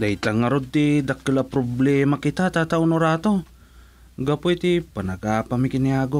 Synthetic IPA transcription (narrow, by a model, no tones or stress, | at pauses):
dajt̪aŋaɾotidakːilapɾoblemakitatatawnoɾato̞ | ɡapojt̪ipanaɡapamikiniaɡo